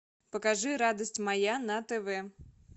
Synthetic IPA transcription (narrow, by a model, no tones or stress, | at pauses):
pɐkaʐɨɾad̪ɐsʲtʲmajanɐt̪ɛvɛ